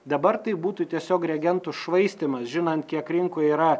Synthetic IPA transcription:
d̪ɐbɐɾt̪ɐɪbuːt̪ʊt̪ʲiɛsʲoːkɾʲɛɡʲɛnt̪ʊʃʋɐɪsʲt̪ʲɪmɐsʒʲɪnɐnt̪kʲiɛkɾʲɪŋkʊːiːɾɐ

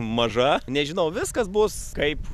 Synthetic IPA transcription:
mɐʒɐnʲɛʒʲɪnɐʊʋʲɪskɐsbʊskɐɪp

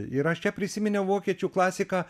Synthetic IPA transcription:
ɪɾɐʃt͡ʃʲɛpʲɾʲɪsʲɪmʲɪnʲɛʊʋoːkʲiɛt͡ʃʲuːklˠɑːsʲɪkɑː

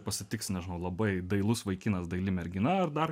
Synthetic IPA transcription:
pɐsʲɪt̪ʲɪksʲnʲɛʒʲɪnɐʊlˠɐbɐɪd̪ɐɪlˠʊsʋɐɪkʲɪnɐsd̪ɐɪlʲimʲɛɾʲɡʲɪnɐɐɾd̪ɐr

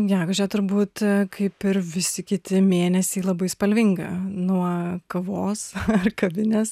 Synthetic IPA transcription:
ɡʲæːɡʊʒʲɛːt̪ʊɾbuːt̪kʰɐɪpɪɾʋʲɪsʲɪkʲɪt̪ʲɪmʲeːnʲɛsʲiːlˠɐbɐɪspɐlʲʋʲɪŋɡɐ̰nuɔkɐʋoːsɐrkɐbʲɪnʲeːs

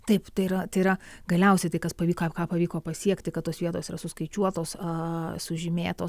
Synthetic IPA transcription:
t̪ɐɪpt̪ɐɪɪɾɐt̪ɐɪɪɾɐɡɐlʲɛʊsʲɛɪt̪ɐɪkɐspɐʋʲiːkɑːkɑːpɐʋʲiːkoːpɐsʲiɛkt̪ʲɐɪkɐt̪oːsʋʲiɛt̪oːsiːɾɐsʊskɐɪt͡ʃʲuɔt̪oːsɐsʊʒʲɪmʲḛːt̪oː

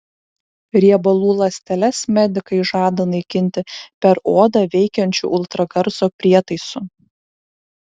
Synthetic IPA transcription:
ɾʲiɛbɐlˠuːlˠɐsʲt̪ʲɛlʲɛsmʲɛd̪ʲɪkɐɪʒɑːd̪ɐnɐɪkʲɪnʲt̪ʲɪpʲɛɾoːd̪ɑʋʲɛɪkʲɛnʲt͡ʃʲṵʔʊlˠt̪ɾɐɡɐɾsoːpʲɾʲiɛt̪ɐɪsʊ

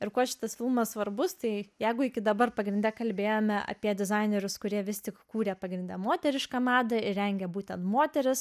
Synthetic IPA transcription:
ɪrkuɔʃʲɪ̥t̪ɐsfʲɪlˠmɐssʋɐɾbʊst̪ɐɪjɛɪɡʊɪkʲɪd̪ɐbɐrpɐɡɾʲɪnʲd̪ʲɛkɐlʲbʲeːjoːmʲɛʔɐ̰pʲiɛd̪ʲɪzɑɪnʲɛɾʲʊskʊɾʲiɛʋʲɪsʲt̪ʲɪkkuːɾʲɛpɐɡɾʲɪnʲd̪ʲɛmoːt̪ʲɛɾʲɪʃkɐmɑːd̪ɐɪɾʲɛŋʲɡʲɛbuːt̪ʲɛnt̪moːt̪ʲɛɾʲɪs

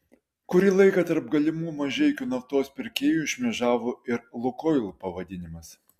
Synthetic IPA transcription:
kʊɾʲiːlˠɐɪkɐt̪ɐɾp̚ɡɐlʲɪmuːmɐʒʲɛɪkʲuːnɐft̪oːspʲɪɾʲkʲeːjuɪʃʲmʲɛʒɑːʋoːɪɾlˠʊkɔɪlˠpɐʋɐd̪ʲɪnʲɪmɐs

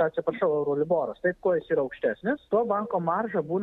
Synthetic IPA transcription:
ɐt̪ʲsʲɪpɾɐʃɐʊɛʊɾoːlʲɪboːɾɐst̪ɐɪp̚koːjɪsiːɾɐɐʊkʃʲt̪ʲæːsʲnʲɪst̪oɔbɐŋkoːmɐrʒɐbuːn

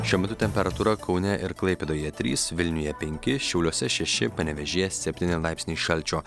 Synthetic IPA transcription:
ʃʲuɔmʲɛt̪ʊt̪ʲɛmʲpʲɛɾɐt̪uːɾɐkʰɒʊnʲɛʔɪɾklˠɐɪpʲeːd̪oːjɛt̪ʲɾʲiːsʋʲɪlʲnʲʊjɛpʲɛŋʲkʲɪʃʲɛʊlʲuɔsʲɛʃʲɛʃʲɪpɐnʲɛʋʲɛʒʲiːjɛssʲɛpʲt̪ʲiːnʲɪlˠɑɪpsnʲiːʃɐlʲt͡ʃʲoː

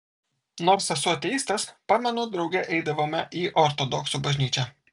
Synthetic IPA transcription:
noːɾsʲɐsʊɐt̪ʲɛiːst̪ɐspɑːmʲɛnoːd̪ɾɒʊɡʲɛʔɛɪd̪ɐʋoːmʲɛʔiːʔɔɾt̪od̪ɔksubɐʒʲnʲiːt͡ʃʲɛ

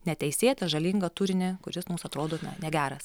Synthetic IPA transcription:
nʲɛt̪ʲɛɪsʲeːt̪ʲɛʒɐlʲiːŋɡɐt̪uɾʲɪnʲɪkʊɾʲɪsmuːsɐt̪ɾoːd̪oːnʲɐ̰nʲɛɡʲæːɾɐs

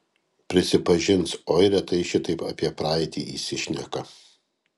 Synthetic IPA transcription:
pʲɾʲɪsʲɪpɐʒʲɪnˑsɔɪɾʲɛt̪ɐɪʃʲɪt̪ɐɪpɐpʲiɛpɾɑːɪt̪ʲḭːʔḭːsʲɪʃʲnʲɛkɐ

